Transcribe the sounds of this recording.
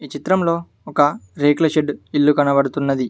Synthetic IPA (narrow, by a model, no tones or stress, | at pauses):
iːt͡ʃit̪ɾɐmlo̞ː | ɔkɐɾeːklɐʃeɖilːukɐnɐbɐɽut̪unːɐd̪i